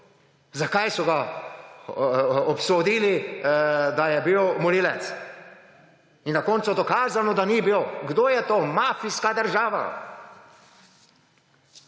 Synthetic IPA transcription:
zakajsɔɡa | ɔpsod̪ili | d̪ajɛbiwmɔliːlɛt̪s | inːakɔːnt̪sud̪okaːzanɔd̪anibiloɡd̪oːjɛt̪oːmafiskad̪əɾʒaːʋa̰

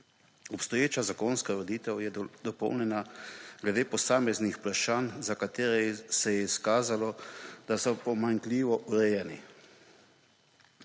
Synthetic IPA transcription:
ɔpst̪ɔjeːt͡ʃazakonskaʋɔd̪iːt̪ɛwjɛd̪ɔpɔ̰wnjɛnaɡlɛd̪eːpɔsaːmɛznixplaʃaːnzakat̪eːɾɛsɛjɛiskaːzalɔd̪asɔpɔmaŋkliːʋɔʔuɾɛjɛnḭ

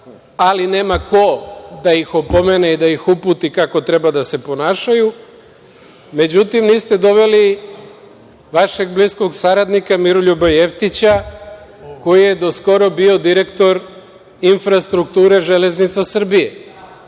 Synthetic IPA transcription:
aline̞ːmakʰo̞d̪aixopome̞neid̪aixuput̪ikako̞t̪ɾe̞bad̪ase̞po̞naːʃaju | me̞d͡ʑut̪imniːst̪e̞d̪o̞ʋe̞li | ʋaʃe̞ɡ̚blisko̞ɡsaɾad̪nikamiɾoʎuboje̞ft̪it͡ɕa | ko̞jije̞d̪o̞sko̞ɾo̞bio̞d̪iɾe̞kt̪o̞ɾ | infɾast̪ɾukt̪uːɾe̞ʒe̞le̞znit̪sasr̩bije̞

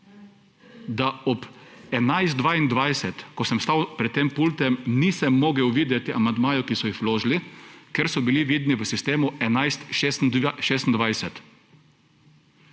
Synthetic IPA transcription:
d̪aɔpɛnajzt̪̚ʋaːind̪ʋajsɛt̪kɔsɛmst̪awpɾɛt̪ːeːmpult̪ɛmniːsɛmːɔɡɛwʋiːd̪jɛt̪iamand̪maːjɔkisɔixloːʒlikɛɾsɔbiliʋiːd̪niʋəsist̪eːmuɛnajst̪ʃesnʃeːs̬t̪nd̪ʋajsɛt̪

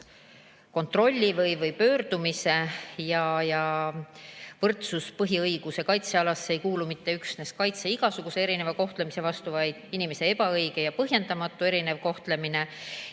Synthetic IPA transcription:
ko̞nt̪ːˑro̞lʲːivɤjvɤjpø̞ːɾd̪̥umise̞jɑjɑ | vɤrt̪suspɤɦiɤjɡ̥use̞kɑjt̪seɑlɑsːe̞jkuːlumit̪ːe̞yksneskɑjt̪se̞iɡ̥ɑsuɡ̥use̞e̞ɾine̞vɑko̞ht̪lemise̞vɑst̪uvɑjd̪̥inime̞se̞e̞bɑɤjɡ̥e̞jɑpɤɦje̞nd̪̥ɑmɑt̪ˑːue̞ɾine̞vko̞ht̪le̞mine̞

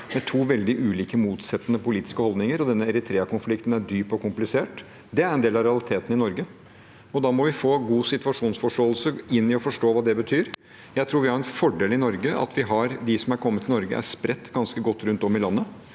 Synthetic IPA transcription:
mɛt̪ʰuːʋɛld̪ɪʔʉːliːkəmuːt̪sɛt̪ːənəpʊliːt̪ɪ̥skəhɔld̪nɪŋəɾɔd̪ɛnːəɛɾɪt̪ʰɾeːɑkʊnflɪkt̪ən̩æɖyːpɔkʊmplɪseːʈ | d̪ɛæɾɛnd̪eːlɑʋɾɛɑlɪt̪ʰeːt̪əɪnɔɾɡə | ɔd̪ɑːmɔʋɪfoːɡuːsɪt̪ʉɑʂuːnsfɔʂʈoːlsəɪnːɪɔfɔʂʈoːʋɑːd̪ɛbət̪ʰyːɾ | jæɪt̪ʰɾuːɾʋɪhɑɾɛnfɔɖeːlɪnɔɾɡəɑ̰t̪ʋɪɦɑɾd̪ɪsɔmæɾkʰɔmːət̪ʰɪnɔɾɡə̰ʔæ̰ʂpɾɛt̪ːɡɑnskəɡɔt̪ːɾʉnt̪ɔmːɪlɑnːə

